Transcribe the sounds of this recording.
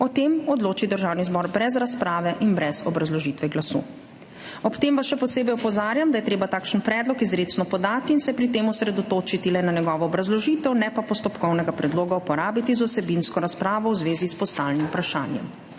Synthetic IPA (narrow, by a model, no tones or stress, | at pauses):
ɔt̪emɔd̪loːt͡ʃid̪əɾʒaːwnizbɔɾbɾɛzɾaspɾaːʋɛʔinbɾɛzɔbɾazlɔʒiːt̪ʋɛɡlasṵː | ɔpt̪eːmʋasʃɛpɔseːbɛjɔpɔzaːɾjamd̪ajɛt̪ɾeːbat̪aːkʃənpɾɛːd̪lɔkizɾeːsnɔpɔd̪aːt̪iːnsɛpɾit̪eːmɔsɾɛd̪ɔt̪oːt͡ʃit̪ilɛnanɛɡɔːʋɔːbɾazlɔʒiːt̪ɛwnɛpapɔst̪ɔpkɔwnɛɡapɾɛd̪loːɡaupɔɾaːbit̪izɔsɛbinskɔɾaspɾaːʋɔwzʋeːzispɔst̪aːlnimpɾaʃa̰ːnjɛ̰m